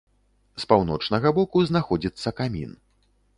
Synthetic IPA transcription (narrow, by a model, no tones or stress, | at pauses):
spawn̪ɔt͡ʂnɐɣɐbɔkuznaxɔd͡zʲit̪sːɐkamʲḭn